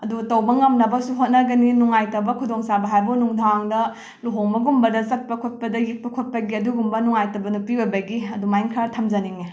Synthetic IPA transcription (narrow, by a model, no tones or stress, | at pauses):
ɐdutɐwbɐŋɐmnɐbɐsuɦot̚nɐɡɐninuŋajtɐbɐkʰudoŋsabɐɦajbɐnuŋdʰʱaŋdɐ | luɦoŋbɐɡumbɐdɐsɐt̚pɐkʰot̚pɐdɐjik̚pɐkʰot̚pɐɡiɐduɡumbɐnuŋajtɐbɐnupibɐbɐɡiɐdumajŋkʰaɾtʰɐmd͡ʒɐniŋi